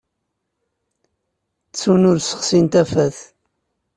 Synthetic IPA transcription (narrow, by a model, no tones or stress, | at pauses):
t͡sːunʊɾsə̥χsint̪æfæθ